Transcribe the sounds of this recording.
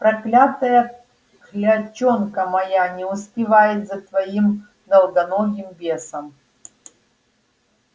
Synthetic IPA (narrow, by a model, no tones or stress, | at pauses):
pɾɐklʲat̪ɐjɐ | klʲɐt͡ʃɔnkɐmɐjanʲɛʊsʲpʲɪvajɪt̪zɐt̪vɐim | d̪ɐlˠɡ̪ɐnɔɡʲɪmbʲesɐm